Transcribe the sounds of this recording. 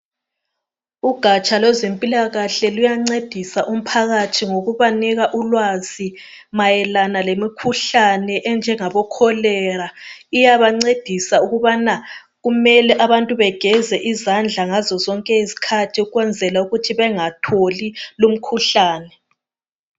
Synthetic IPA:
uɡ̥ʱat͡ʃʼalwɛzempʼilaɣaɬɛlujaŋ͡ǀed̥ʱisaʔum̩pʰaɣatʰiŋoɣuβanɛɣaʔulwazi | majɛlanalemikʰuɬanɛʔɛnd͡ʒʱɛŋaβɔkʰɔlɛɾaijaβaŋ͡ǀed̥ʱisauɣuβana | ɣumɛlɛʔaβantʼuβɛɡ̥ʱɛzɛʔizand͡ɮʱaŋazɔzɔŋkʼɛisi̥kʰatʰiuɣwɛnd͡zʱɛlauɣutʰiβɛŋatʰolilum̩kʰuɬaːnɛ

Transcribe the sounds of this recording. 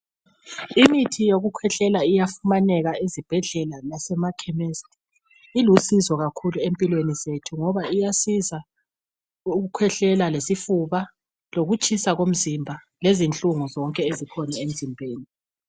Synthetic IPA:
imitʰijoɣukʰwɛɬɛlaijafumanɛɣaizib̥ʱɛɮɛlalasɛmakʰɛmest | ilusizɔɣakʰuluempʼilwenizetʰuŋɔβaijasiza | uɣukʰwɛɬɛlalesifuβa | loɣut͡ʃʼisaɣom̩zimbʱa | lezint͡ɬʼuŋuzɔŋkʼɛezikʰɔnaem̩zimbʱeːni

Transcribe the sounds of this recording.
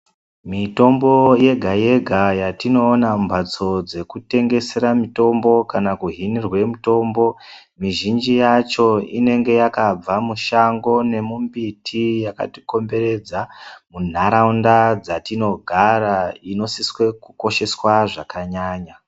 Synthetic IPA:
mito̞mbo̞je̞ɡʱaje̞ɡʱajatino̞ːnambʱat͡so̞d͡ze̞kute̞ŋɡe̞se̞ɾamito̞mbo̞kanakuɦinirwe̞muto̞ːmbo̞ | miʒind͡ʒijat͡ʃo̞ine̞ŋɡe̞jakab͡vamuʃaŋɡo̞ne̞mumbitʰijaka̰ti̥ko̞mbe̞ɾe̞d͡zamun̤aɾaundad͡zatino̞ɡʱaɾaino̞siswe̞kuko̞ʃe̞swaʐakaɲaːɲa

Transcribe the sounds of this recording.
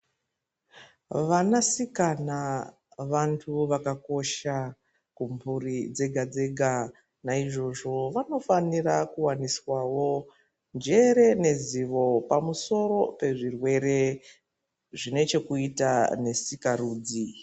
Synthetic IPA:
ʋanasikana | ʋantʰuʋakako̞ʃa | kumburid͡ze̞ɡʱad͡ze̞ɡʱa | naiʐo̞ʐo̞ʋano̞fanirakuwaniswawo̞ | nd͡ʒe̞ɾe̞ne̞ziʋo̞pamuso̞ɾo̞pe̞ʐirwe̞ɾe̞ | ʐine̞t͡ʃe̞kuitane̞sikaruːd͡zi

